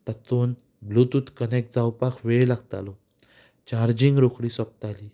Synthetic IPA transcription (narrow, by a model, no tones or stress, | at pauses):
t̪at̪on | blut̪uːt̪kənek̚d͡zawpakʰʋeɭlaɡt̪a̰lɔ | t͡ɕaɾd͡ʑĩŋɡɾokɽiːsəp̚t̪ali